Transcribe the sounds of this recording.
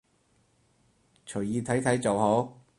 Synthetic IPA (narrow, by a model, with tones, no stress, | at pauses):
t͡ʃʰɵ˨˩ɥjiː˨˧t̪ʰɐ˨˥jt̪ʰɐ˨˥jt͡so˨who˨˥w